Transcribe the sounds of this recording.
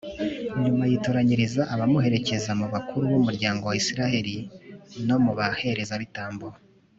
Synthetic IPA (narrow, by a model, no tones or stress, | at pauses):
ɲumajitoɾaɲiɾizaʔːβamuhe̞ɾe̞ce̞zamuβakʰuɾuβumuɾɟaːŋɡo̞waisiɾahe̞ɾino̞muβahe̞ɾe̞zaβitaːmbuɾa